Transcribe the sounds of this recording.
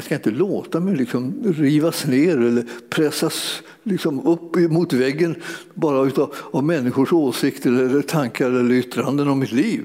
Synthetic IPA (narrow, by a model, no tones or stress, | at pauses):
jaskaɪnt̪əloːt̪amɛjlɪksɔmɾiːvasneːɾɛlːəɾpʰɾɛsːas | lɪksɔmɵpːɪmʊt̪vɛɡːən | bɑːɾaʉ̟ːt̪avmɛnːɪɧʊʂoːsɪkt̪ɛlːɛəɾːəʈʰaŋkaɾɛlːəɾʏt̪ːɾand̪ənavmɪt̪liːv